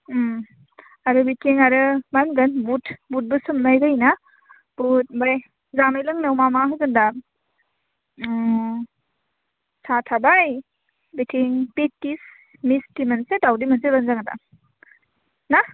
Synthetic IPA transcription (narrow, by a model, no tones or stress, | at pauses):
aɾɯbitʰiŋaɾɯmanɡɯnbutʰbut̚bɯsɯmnajɡajna | b̥ut̚baj | zamajlɯŋnɯwmamaɦɯɡɯnda | satʰabaj | bitʰiŋpetːis | mistimɐnsetawdimɐnsebɐnzaŋata̰ | na